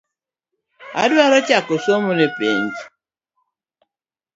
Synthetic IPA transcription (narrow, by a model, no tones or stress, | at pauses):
a̰dwaɾɔt͡ʃakosomunɪpḛnd͡ʒi̥